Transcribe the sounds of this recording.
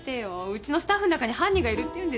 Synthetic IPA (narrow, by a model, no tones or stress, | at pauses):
t̪eβaɯ̟t͡ɕino̞sɨ̥t̪aɸːɯnakaɲ̟ihãɲ̟ʲːiɡaiɾɯ̟t̪ːe̞jɯ̟̃nd̪e